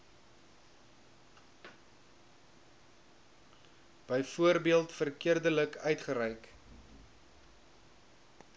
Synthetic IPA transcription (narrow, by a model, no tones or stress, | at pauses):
b̥əjfuərbiəlˠtfərkiərdələkœɥtχəɾɛjk